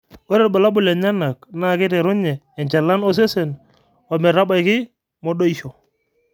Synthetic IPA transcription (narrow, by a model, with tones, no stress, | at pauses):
wɔ˦ɾɛ˦˨ɾba˨la˦bʊ˨lɛ˨ɲa˦na˨kna˦˨kɪ˦tɛ˨ɾʊ˦ɲɛː˨ɲt͡ʃa˨la˦nɔ˦s̬e˦se˨n | wa˨mɛ˨ɾa˦ba˨jkɪ˦ | mɔ˦ɗo˦i˦ʃɔ˨